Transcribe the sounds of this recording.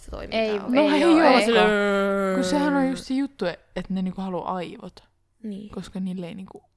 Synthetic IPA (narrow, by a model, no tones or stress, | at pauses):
set̪o̰ḭminoejokɑkysehænojust̪sijjut̪ːue | et̪neniŋkuhɑluʔɑiʋo̰t̪ɑ̥ | nkoskɑniːlːeiniːŋku